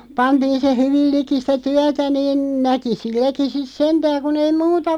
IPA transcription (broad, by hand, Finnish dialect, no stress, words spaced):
pɑntiːn se hyʋil liki sĭtæ tyætæ niːn næki silːæki sis sentæːŋ kun ei muːtɑ